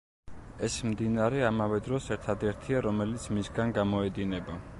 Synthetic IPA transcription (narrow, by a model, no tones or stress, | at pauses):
ɛsmd̪inaɾɛamavɛd̪ɾɔsɛɾt̪ʰad̪ɛɾt̪ʰiaɾɔmɛlit̪sʰmisɡanɡamɔɛd̪inɛba